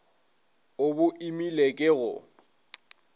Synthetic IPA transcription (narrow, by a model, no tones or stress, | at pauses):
obʊʔimilekʼɪɣʊ̰